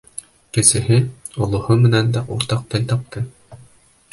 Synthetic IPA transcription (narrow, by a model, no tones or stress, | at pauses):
kɘ̆sɘ̆ɦɘ | ŏlˠŏhomɘ̆nænd̪æʔuɾt̪ɑq̚t̪ɘlʲt̪ɑp̚t̪ɤ